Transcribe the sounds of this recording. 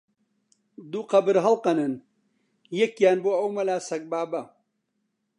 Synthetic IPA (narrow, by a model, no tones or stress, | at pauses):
d̪uqɐbɨɾɦɐlqɐnɐn | jekjaːnboɐwmɐlaːsɐk̚baːbɐ